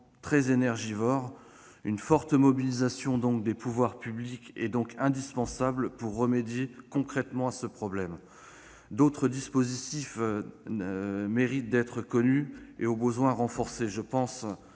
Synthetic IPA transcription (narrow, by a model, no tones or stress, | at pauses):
t̪χɛzenɛʁʒivɔʁ | ynfɔʁt̪əmɔbilizasjɔ̃d̪ɔ̃kd̪epuvwaʁpyblikɛ̰d̪ɔ̃kɛ̃d̪ispɑ̃sablpuʁːəmed̪jekɔ̃kχɛt̪mɑ̃asəpχɔblɛm | d̪ot̪χəd̪ispozit̪if | meʁit̪̚d̪ɛt̪χəkɔnyeobəzwɛ̃ʁɑ̃fɔʁseʒəpɑ̃s